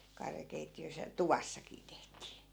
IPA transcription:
kɑrjɑkeitːiøs jɑ tuʋɑsːɑkiː tehtiː

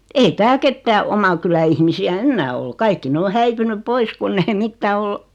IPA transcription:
ei tæːl ketːæː omɑ kylæ ihmisiæ enːæː ol kɑikːi ne o hæipynyp̆ pois kunː ei mitːæː ol

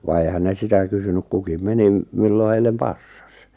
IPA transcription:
ʋɑ eˑĭhæn ne sitæ kysynyk kukim menim milːo heilˑem pɑsːɑ̥s

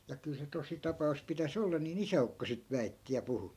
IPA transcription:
jɑ kyl se tositɑpɑus pitæs olːɑ niːn isæukːo sit ʋæitːi jɑ puhu

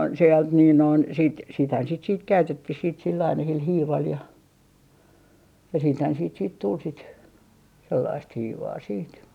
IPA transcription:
seɑlt niːn noin sit sithæn sit siːt kæytetːih silː ɑinɑ sil hiːʋɑl jɑ jɑ siːthæn siːt siːt tul sit selːɑist hiːʋɑː siːt

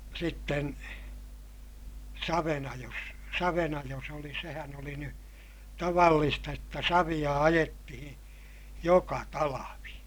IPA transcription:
sitːen sɑʋenɑjos sɑʋenɑjos olĩː sehæn oli ny tɑʋɑlːistɑ jotːɑ sɑʋij̆ɑ ɑjetːihĩː jokɑ tɑlɑʋi

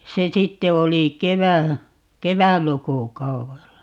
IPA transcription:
se sitːe oli keʋæ keʋætlukukɑuwelːɑ

